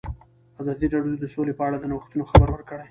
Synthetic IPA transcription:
azɑd̪iɾɑɽjod̪əsolepəaɽad̪ənawəxt̪unoxabəɾwəɾkəɽaj

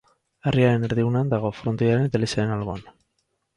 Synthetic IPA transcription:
ariaɾe̞neɾðiɣunand̪aɣ̞o̞fɾont̪eaɾenet̪alisaɾenalɣoan

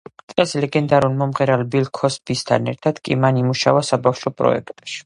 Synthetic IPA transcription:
t̪ʼɛslɛɡɛnd̪aɾulmɔmʁɛɾalbilkʰɔsbist̪ʰa̰nɛɾt̪ʰad̪̥kʼḭmanimuʃavasabafʃɔpʼɾɔ̰ɛ̰kʰt̪ʼʃi̥

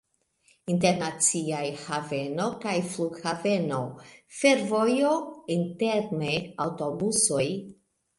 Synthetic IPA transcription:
inte̞ɾnat͡siajhave̞no̞kajfluɡhave̞no̞fe̞ɾvojointe̞ɾneawtobuso̞j

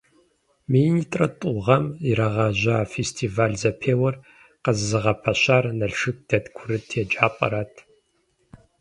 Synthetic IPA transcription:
mijnitʼrɐtʼʊʁɐmiɾɐʁɐʑɐaːfestʰiːvaːɮzɐpʰeːwɐr | qəzzɨʁɐpʰɐɕaːrnɐɬʂɨk̚d̥ɐtkʷʰʊɾɨtʰeːd͡ʒaːpʼɐ̰ɾaːtʰ

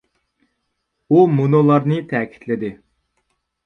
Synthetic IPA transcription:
umunolˠɑɾnɨt̪ʰɛːkʲʰi̥t̪ʰlɪd̪ɪ

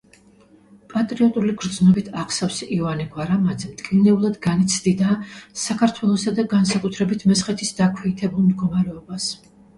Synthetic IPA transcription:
pʼat̪ʼɾiɔt̪ʼuliɡɾd̪znɔbit̪ʰaχsafsivaniɡwaɾamad̪zɛmt̪ʼkʼinɛulˠad̪ɡanit̪sʰd̪id̪aːsakʰaɾt̪ʰwɛlˠɔsad̪aɡansakʼut̪ʰɾɛbit̪ʰmɛsχɛt̪ʰisd̪akʰwɛːt̪ʰɛbulˠmd̪ɡɔmaɾɛɔbas

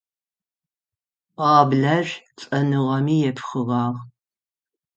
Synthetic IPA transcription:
qɑːbɮɐʒt͡sʼɐnɨʁɐmiːjɛpʰχɨʁɑːʁ

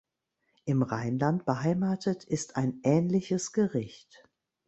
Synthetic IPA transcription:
ʔɪmʁaɪnlantb̥əhaɪmaːtʰətʰɪstʰaɪnʔɛːnlɪçəsɡ̥əʁɪçt

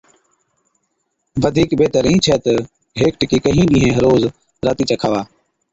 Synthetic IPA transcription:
ʋəd̪ʱiːkbeːt̪əɾĩːnt͡ʃʰɛːt̪ə | ɦeːk̚ʈkiːkəɦĩːɗĩːɦẽːɦəɾoːz | ɾaːt̪iːt͡ʃəkʰaːʋaː

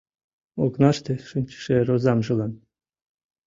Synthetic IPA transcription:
oknɑʃt̪eʃɨmʲt͡ɕi̥ʃeɾozɑmʒɨlˠɑn

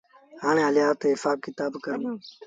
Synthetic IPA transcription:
ɦaːɳ̃ẽːɦəlɪjaːt̪eːɦɪfaːb̚kɪt̪aːbkəɾənː

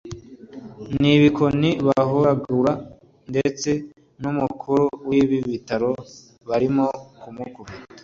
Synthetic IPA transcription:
niβikoniβaɦoɾaɡuɾa | nde̞t͡se̞ | numukʰuɾuwiβiβitaɾo | βaɾimokumukubitḁ

